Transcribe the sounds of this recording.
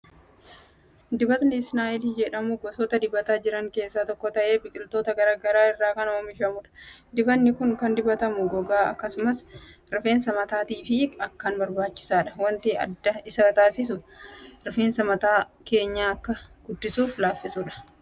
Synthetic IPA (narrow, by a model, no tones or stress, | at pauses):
d̪ɪbɐt̪nɪɪsnaːʔɪliːd͡ʒɛᶑɐmʊɡɔsɔːt̪ɐd̪ɪbɐt̪aːd͡ʒɪɾɐŋke̞ːsːaːt̪ɔkːɔt̪ɐʔe̞ːbɪkʼɪlt̪oːt̪ɐɡɐɾaːɡɐɾaːɪrːaːkɐnɐomɪʃɐmʊᶑɐ̥d̪ɪbɐnːɪkʊŋkɐnd̪ɪbɐt̪ɐmʊɡɔɡaːɐ̰kːɐsʊmɐs | ɾɪfe̞ːnsɐmɐt̪aːt̪iːfɪɐkːaːnbɐɾbaːt͡ʃːɪ̥saːᶑɐwɐnt̪iɐ̰d̪ːɐɪsɐɐt̪aːsɪs̬ʊɾɪfeːnsɐmɐt̪aːke̞ːɲːaːɐkːɐɡ̥ʊd̪ːɪsuːflaːfːɪsuːᶑɐ̥